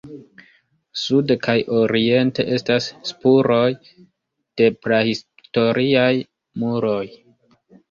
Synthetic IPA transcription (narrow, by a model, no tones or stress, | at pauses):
sudkʰajo̞ɾie̞nte̞̰ʔe̞stasːpuɾo̞j | d̥e̞pɾahis | to̞ɾʔiaj | muɾo̞j